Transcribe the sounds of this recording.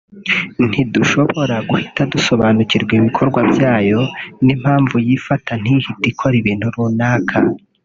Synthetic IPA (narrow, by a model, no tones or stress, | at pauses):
n̥iduʃo̞βo̞ɾaɡuhitaduso̞βaːnuciɾɡwiβikʰo̞ɾɡwabjaːjo̞nim̥haːɱvujifatʰan̥hihitikʰo̞ɾiβin̥uɾuːnaːkʰa